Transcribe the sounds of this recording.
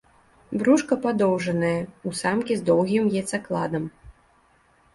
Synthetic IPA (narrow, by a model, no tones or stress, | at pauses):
bɾuʂkɐpad̪ɔwʐɐnɐjɐusamkʲizd̪ɔwɣʲimjɛt̪saklˠad̪ɐm